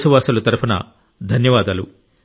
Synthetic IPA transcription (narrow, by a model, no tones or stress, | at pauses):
suʋaːsɐlɐt̪ɐɾpʰɐnɐ̰ | d̪ʱɐnjɐʋaːd̪ɐːlṵ